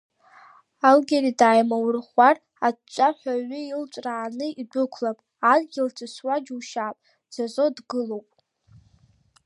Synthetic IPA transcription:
alɡʲeɾidaːjmawrχʷar | adt͡ʃʷʼaħʷaɥɪilt͡ʃʷʼraːnɨidʷʊkʷʰlapʼ | anɡʲɪltʰaswad͡ʒwʃaːpʼ | d͡zazʷo̞dɡɨlowpʼ

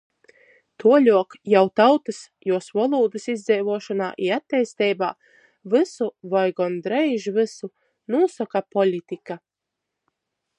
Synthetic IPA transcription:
t̪ʰuɔlʲuɔkjawt̪awt̪ɨs | juɔsvɔlˠuːd̪ɨsizd̪zɛjvuɔʃɔna̰ːʔiat̪ʲːɛjst̪ɛjbaː | vɨsuvɔjɡɔnd̪ɾɛjʒvɨsu | nuɔsɔkapɔlʲit̪ika

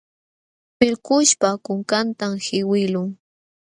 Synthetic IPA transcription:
pɪlkʊʃpakʊŋkant̪amhɪwɪlʊŋ

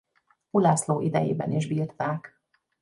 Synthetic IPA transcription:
ulaːsloːʔid̪ɛjeːbɛ̰niʒbiːrt̪aːk

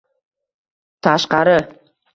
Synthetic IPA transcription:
t̪ʰɑʃqɑɾə

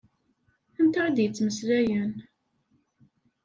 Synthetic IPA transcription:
ənt̪ɑɾˤd̪jət͡sːməslæjən

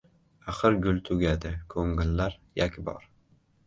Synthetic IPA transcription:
aχɨɾɡʲʊlˠt̪ʰʊɡʲad̪ɪkʰɵŋːɪlːaɾjakʲʰbɒ̰ɾ

